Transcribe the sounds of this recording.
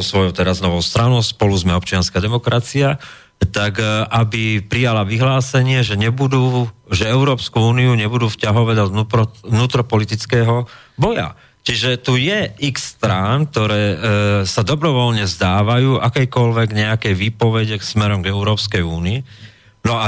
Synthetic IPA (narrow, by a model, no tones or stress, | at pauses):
ɔsʋɔjɔʊt̪ɛɾaznɔʋɔʊst̪ɾanɔʊspɔluzmɛɔp̚t͡ʃɪanskad̪ɛmɔkɾat͡sia | t̪akʔabipɾijalaʋiɦlaːsɛɲɪɛʒɛɲɛbud̪uːʒɛɛʊɾɔːpskuuːniuɲɛbud̪uːfcaɦɔʋɛd̪anuɔnuːt̪ɾɔpɔlit̪it͡skɛːɦɔ | bɔja̰ | t͡ʃiʒɛt̪ujɛikst̪ɾank̚t̪ɔɾɛːsad̪ɔbɾɔʋɔlɲɛzd̪aːʋajuːʔakɛjkɔlʋɛɡɲɛakɛjʋiːpɔʋɛɟɛksmɛɾɔmɡɛʊɾɔːpskɛjuːnii | nɔa